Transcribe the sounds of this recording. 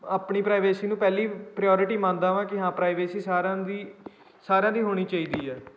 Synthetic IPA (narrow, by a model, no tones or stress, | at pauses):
aːpɳiːpɾaːiʋeːsiːnũːpɛːliːpɾɪjɔːɾɪʈiːmãːnd̪ãːʋãːkɪɦãːpɾaːiʋeːsiːsaːɾãːd̪iː | saːɾãːd̪iːɦoːɽ̃iːt͡ʃaːiːd̪iːɛː